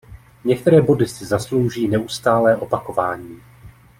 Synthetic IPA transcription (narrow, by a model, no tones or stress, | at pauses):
ɲɛk̚t̪ɛɾɛːbo̞dɪsɪzaslo̞wʒiːnɛʔust̪aːlɛːʔo̞pako̞vaːɲiː